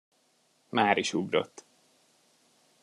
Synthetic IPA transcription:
maːɾiʃuɡro̰t̪ː

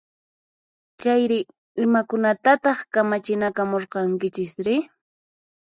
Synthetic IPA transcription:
t͡ʃajɾɪ | ɪmakʊnat̪at̪ɑχkamat͡ʃɪnakamoɾqɑŋkɪt͡ʃɪsɾɪ

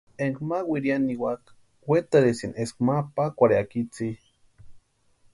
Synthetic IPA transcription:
eŋkmawʷiɾianiwak | wet̪aɾesinʔeskmapakʷaɾeakit͡si

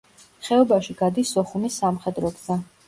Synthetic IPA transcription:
χɛɔbaʃiɡ̥ad̪isːɔχumisːamχɛd̪ɾɔɡza

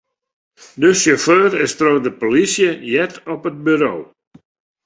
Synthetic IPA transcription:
døsjoføːɾɪstrodəpolisjəjɛtɔpət̚byɾoː

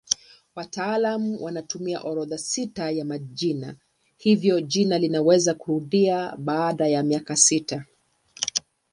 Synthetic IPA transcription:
wataalamuwʔanatumia̰ʔɔɾɔðasitajamaʄina̰ | hivjɔʄinalinawɛzakuhuðiaɓaːɗajamiakasita

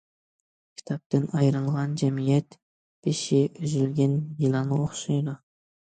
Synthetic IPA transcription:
kʲʰi̥t̪ʰɑp̚t̪ɪnɑjɾɨɴˠʁɑnd͡ʒɛmijɛt̪ | b̥ɪʃɪʔyzylɡʲɛnjilˠɑnɨoχʃɑjd̪ɑ

